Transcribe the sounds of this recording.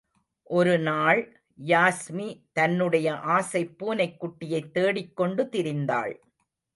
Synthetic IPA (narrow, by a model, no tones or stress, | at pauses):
ʔɔɾɯnaːɭ | jaːsmit̪ɐnːɯɽɐjɐʔaːsɐɪpːuːnɐɪkːʊʈːɪjɐɪt̪ːeːɽɪkːɔɳɖɯt̪ɪɾɪnd̪a̰ːɭ